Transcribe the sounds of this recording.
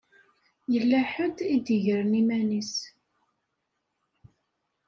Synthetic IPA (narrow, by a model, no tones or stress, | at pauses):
jəlːæħəd̪id̪əʝəɾnimænis